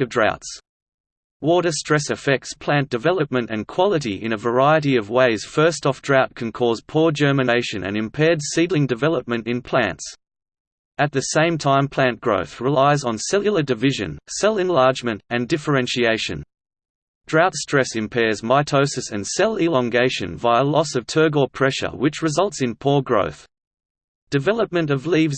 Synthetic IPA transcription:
ʌvdɹa̰ʊts | wɔɾə˞stɹ̥ɛsɨfɛk̚tspʰl̥æ̃nd̥ɨvɛlˠəp̚mɨ̃ntɨ̰̃nkʰw̥ɑlˠəɾiʔɪ̰̃ñɨvə˞aɪɨɾiʌvweɪz̥fɜ˞stɔfd̥ɹaʊt̚kʰɨ̃n̩kʰɔz̥pʰɔɹd͡ʒɜ˞mɨ̃neɪʃɨ̃nɨ̰̃nɨ̃mpʰɛɹdsidlˠɪ̃ŋdɨvɛlˠəp̚mɨ̃ntɨ̃npʰl̥æ̰̃nts | ɨt̪̚ðɨsẽɪ̃mtʰãɪ̃mpʰl̥æ̃nɡ̥ɹo̰ʊθɹɪlaɪzn̩sɛlˠjl̩ˠədɨvɪʒɨ̰̃nsɛlˠɨ̃nlɑɹd͡ʒmɨ̃ntɨ̃ndɪfə˞ɛ̃nʃieɪʃɨ̰̃n | d̥ɹaʊtstɹ̥ɛsɨ̃mpʰɛɹzmaɪtʰoʊsɨsɨ̰̃nsɛlˠɪlˠɑ̃ŋɡeɪʃɨ̰̃nvaɪəlɔsʌv̥tʰɜ˞ɡəpʰɹ̥ɛʃə̰˞wɨt͡ʃɹɨzʌlˠtsɨ̃npʰɔɹɡɹo̰ʊθ | d̥ɨvɛlˠəp̚mɨ̃ntʌvlivz

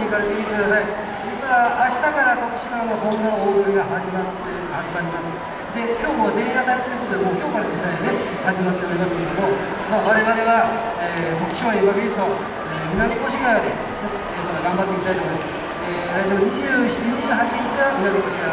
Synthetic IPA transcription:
ikaɾe̞t̪e̞mʲit̪ekɯd̪asai | d͡ʑit͡sɨβaːɕi̥t̪akaɾak̪o̞kɯ̟̥ɕi̥kãakõ̞nd̪onoːkɯɾʲiɡaɦaʑimat̪ːehad͡ʑimaɾʲimasɨ | d̪e̞kʲo̞ːkoβazẽ̞ik̪asaɾet̪t̪ːeiɯko̞t̪od̪emoːkʲo̞ːkaɾad͡ʑisːaid̪e̞ | haʑimat̪ːe̞oɾʲimasɨ̥kʲeɾed̪o̞mo̞ | maːβaɾe̞βaɾe̞βa | eːk̪okɯ̟̥ɕimaibaked̪esɨ̥t̪o̞ | eːmʲinanʲikoɕikaɾad̪e̞ | t͡ɕot̪ːoemat̪aɡãmbat̪ːeikʲit̪ait̪omjims | eːaezemoɲ̟iʑɨːɕit̪iɲiɦat͡ɕiɲit͡ɕiβamʲinaɡekoɕika

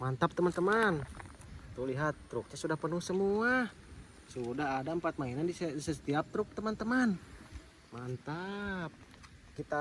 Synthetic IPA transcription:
mant̪ap̚t̪əmant̪əman | t̪uliɦat̪ːɾuk̚ɲasudahpənuhsəmua | sudaɦadaəmpat̪̚mainandissəsə̥t̪iap̚t̪ɾʊk̚t̪əmant̪əman | mant̪ap̚ | kit̪a

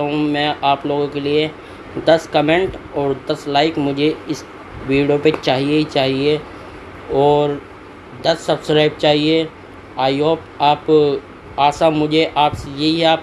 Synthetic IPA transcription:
ɦũmɛ̃ːʔaːploːɡõkelie | d̪ɐskɐmẽɳʈɔːɾd̪ɐslaːɪkmʊd͡ʒʱeɪs | ʋiːɽijopet͡ʃaːɦiet͡ʃaːɦie | ɔːɾ | d̪ɐsːɐbskɾaːɪb̚t͡ʃaːɦie | aːioːp | aːp | aːsamʊd͡ʒʱeʔaːpsejɐɦiɦɛaːp

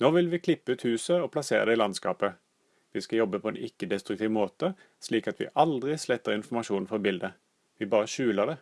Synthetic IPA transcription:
noːʋɪlʋiːkʰlɪpːəʉːt̪hʉːsəɔpʰlɑseːʁəd̪ɛɪːlɑnskɑ̰ːpə | ʋiːskɑljɔbːəpʰɔɛ̰nɪkːəd̪ɛst̪ʁʉkt̪iːʋmoːt̪ə | sliːkɑt̪ʰʋɪ̰ːʔɑld̪ʁɪslɛt̪ːəʁɪnfɔmɑʃuːnn̩fɔbɪld̪ə | ʋiːbɑːʁəʃʉːləɖ̪ɛ

